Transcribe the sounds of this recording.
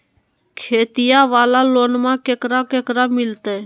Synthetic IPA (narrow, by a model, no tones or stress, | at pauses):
kʰeːt̪ɪjaːʋaːlaːloːnmãːkeːkɾaːkeːkɾaːmɪlt̪eː